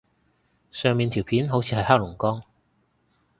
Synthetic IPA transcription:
sœː˨ŋmiː˨nt̪ʰi˨˩wpʰiː˨˥nɦo˨˥wt͡sʰiː˨˧hɐ˨jhaː˥lʊ˨˩ŋkɔː˥ŋ

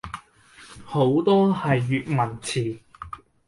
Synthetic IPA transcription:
ho˨˥wt̪ɔː˥hɐ˨jːyː˨t̚mɐ˨˩nt͡sʰiː˨˩

